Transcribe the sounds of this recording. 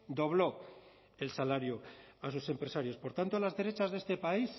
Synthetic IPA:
d̪o̞β̞lo̞ | e̞lsalaɾjoasuse̞mpɾe̞saɾjo̞spo̞ɾt̪ant̪o̞lazðe̞ɾe̞t͡ʃazðe̞st̪e̞pais

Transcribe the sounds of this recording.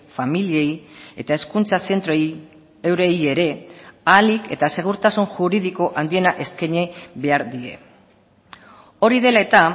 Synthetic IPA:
familie̞je̞t̪ae̞skunt͡sase̞nt̪ɾoe | e̞wɾe̞je̞ɾe̞alike̞̰t̪ase̞ɣ̞uɾt̪asunʝuɾiðiko̞ʔand̪ie̞naʔe̞skeɲeβe̞aɾðie̞̰ | o̞ɾiðe̞lae̞t̪a

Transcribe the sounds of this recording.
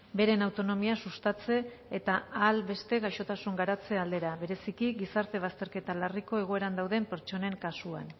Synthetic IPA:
be̞ɾe̞nawt̪o̞no̞miasust̪at͡se̞ː | t̪aalbe̞st̪e̞ɣaʃo̞t̪asuŋɡaɾat͡se̞ald̪e̞ɾaβe̞ɾe̞sikiɡisaɾt̪e̞β̞ast̪e̞ɾke̞t̪alariko̞e̞ɣ̞o̞e̞ɾand̪awðe̞mpe̞ɾt͡ʃo̞ne̞ŋkasuan

